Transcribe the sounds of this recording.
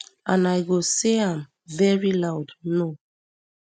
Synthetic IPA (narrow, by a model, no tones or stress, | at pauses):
ãnajɡoseãm | vɛɹilawdno